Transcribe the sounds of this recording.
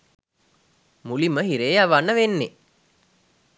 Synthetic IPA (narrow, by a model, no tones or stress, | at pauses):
muliməɦiɾeːaʋanəʋenːe